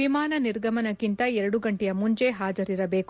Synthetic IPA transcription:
imaːnɐniɾɡʱɐmɐnɐkːint̪ɐɛɾɐɽuɡɐɳʈɛjɐmuɲt͡ʃe̞ɦaːd͡ʒɐɾiɾɐbe̞ːkk

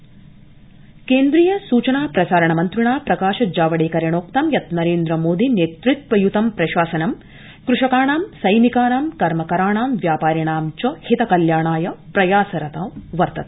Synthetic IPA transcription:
keːnd̪ɾijɐsuːt͡ʃɐnaːpɾɐsaːɾɐɳɐmɐnt̪ɾiɳaːpɾɐkaːʃɐd͡ʒaːʋɐɽeːkɐɾɐɳoːkt̪ɐmjɐt̪nɐɾeːnd̪ɾɐmoːd̪ineːt̪ɾit̪ʋɐjut̪ɐmpɾɐʃaːsɐnɐm | kɾuʂɐkaːɳaːmsɐjnikaːnaːmkɐɾmɐkɐɾaːɳaːmʋjaːpaːɾjɐɳaːmt͡ʃɐhit̪ɐkɐljaːɳaːjɐpɾɐjaːsɐɾɐt̪ɐmʋɐɾt̪ɐt̪̚

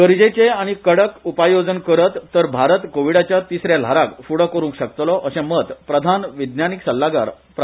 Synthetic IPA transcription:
ɡəɾd͡ʑet͡seaɽ̃ikəɽəkupajod͡zənkəɾət̪ːəɾbʱaɾət̪koʋiɽat͡ɕjat̪isɾjal̤aɾakfuɽəkəɾũŋkɕəkt̪lɔʔəɕẽmət̪pɾəd̪ʱanʋid̪njaniksəlːaɡa̰ɾ | p

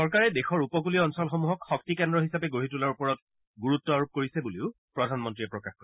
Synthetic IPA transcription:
sɔɹkaɹɛdexɔɹupɔk̬uliɔnsɔlxomuɦɔkxɔk̚tikɛndɹɔɦisapɛɡoɦitulaɹupɔɹɔt | ɡuɹutːɔaɹup̚koɹisɛbuleʊpɹɔdʱanmɔntɹiɛpɹɔkaxkɔɹɛ

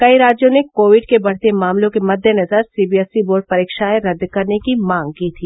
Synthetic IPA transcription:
kɐiɾaːd͡ʒjõnekoːʋɪɖkebɐɽ̤t̪emaːmlõkemɐd̪ʱjənɐzəɾsiːbiɛsiboːɾɖ̚pɐɾiːkʃaeɾɐd̪kɐɾnekimãːŋɡ̚kiːt̪ʰiː

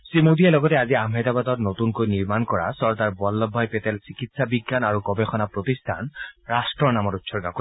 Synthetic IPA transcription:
sɹimodiɛlɔɡɔtɛaziamɦɛtabatɔtnotunkojniɹmankɔɹa̰sɔɹtaɹbɔlːɔbʱːɔjpɛtɛlsikitsabiɡːanaɹukɔbexɔnapɹotistʰanɹastɹɔɹnamɔtutsɔɹɡakɔ

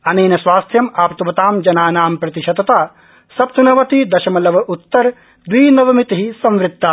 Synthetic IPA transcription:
ɐneːnɐsʋaːst̪ʰjɐmaːpt̪ubɐt̪aːmd͡ʒɐnaːnaːmpɾɐt̪iʃɐd̪ɐt̪aː | sɐp̚t̪ɐnɐʋɐt̪id̪ɐʃɐmɐlɐʋɐʔut̪ːɐɾ | d̪ʋiːnɐʋɐmit̪iɦisɐ̃mʋɾɪt̪̚t̪ːa

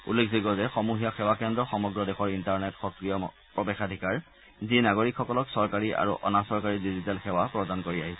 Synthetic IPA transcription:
ṵlːekʰziɡɔzɛxɔmuɦijaxɛwakɛndɹɔxɔmɔɡɹɔdexɔɹintaɹnɛtxɔkɹijɔ | pɹɔbexadʱikaɹ | zinaɡoɹikʰːɔkɔlɔksɔɹkaɹiʔa̰ɹuʔɔ̰nasɔɹkaɹidizitalxɛwapɹɔdankoɹiaɦisɛ

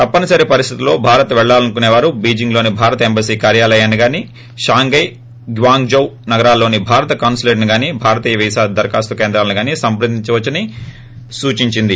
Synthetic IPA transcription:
t̪ɐpːɐnɐsɐɾipɐɾist̪ʰit̪ulːo̞ːbʱaːɾɐt̪ɐʋɛɭːaːlɐnkuneːʋaːɾubiːd͡ʒiŋɡlo̞ːnibʱaːɾɐt̪ɐembɐsiːkaːɾjaːlɐjaːniɡaːni | ʃaːŋɡɐj | ɡʋaːŋɡd͡ʒɐwnɐɡɐɾaːlːo̞ːnibʱaːɾɐt̪ɐkaːnsleːʈniɡaːnibʱaːɾɐt̪iːjɐʋiːsaːd̪ɐɾkaːst̪ukeːnd̪ɾaːlɐniɡaːniːsɐmpɾɐd̪iɲt͡ʃɐʋɐt͡ʃːɐni | suːt͡ʃiɲt͡ʃind̪i

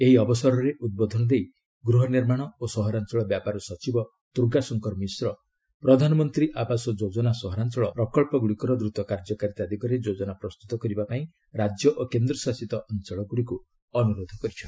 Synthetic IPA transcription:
eɦiɔbɔsɔɾɔɾeʔud̪̚bɔd̪ʱɔnɔd̪ej | ɡɾuɦɔniɾmaɽ̃ɔosɔɦɔɾant͡ʃɔɭɔbjapaɾɔsɔt͡ʃibɔ | t̪uɾɡasɔŋkɔɾmisɾɔ | pɾɔd̪ʱanɔmɔnt̪ɾiʔabasɔd͡ʒod͡ʒɔnasɔɦɔɾant͡ʃɔɭɔpɾɔkɔɭpɔɡuɽikɔɾɔd̪ɾut̪ɔkaɾd͡ʒɔkaɾit̪ad̪ʱikɔɾed͡ʒod͡ʒɔnapɾɔst̪ut̪ɔkɔɾibapaĩ | ɾad͡ʒjɔʔokend̪ɾɔsasit̪ɔʔɔnt͡ʃɔɭɔɡuɽiku | ɔnuɾod̪ʱɔkɔɾit͡ʃʰɔ

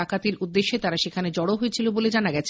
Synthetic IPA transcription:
akat̪iɾʔud̪ːeʃːet̪aɾaʃekʰaned͡ʑɔɽoɦoet͡ɕʰiloboled͡ʑanaɡɛt͡ɕʰ

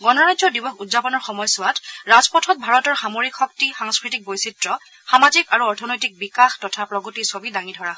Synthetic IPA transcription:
ɡɔnɔɹajdzɔdibɔxudzapɔnɔɹxɔmɔjsʊwatɹazpɔtʰɔt̚bʱaɹɔtɔɹxamoɹikʰɔk̚tixaŋskɹitik̚bojsitɹɔ | xamazikaɹuɔɹtʰɔnɔjtik̚bikaxtɔtʰapɹɔɡotisobidaŋidʱɔɹaɦɔ

